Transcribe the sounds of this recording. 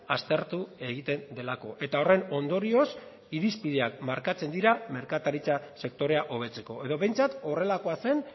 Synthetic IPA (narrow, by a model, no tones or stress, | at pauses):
ast̪e̞ɾt̪ue̞ɣ̞it̪e̞nd̪e̞lako̞ʔe̞t̪ao̞re̞no̞nd̪o̞ɾio̞s | iɾispiðe̞ak̚maɾkat͡se̞nd̪iɾame̞ɾkat̪aɾit͡sase̞k̚t̪o̞ɾe̞aʔo̞β̞e̞t͡se̞ko̞e̞ðo̞βe̞jnt͡sat̪o̞re̞lako̞ase̞n